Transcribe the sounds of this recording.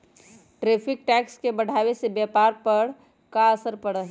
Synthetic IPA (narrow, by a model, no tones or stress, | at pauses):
ʈɾeːpʰɪk̚ʈɛːkskebəɽ̤aːwesebjɛpaːɾpəɽ | kaəsəɾpəɽəɦ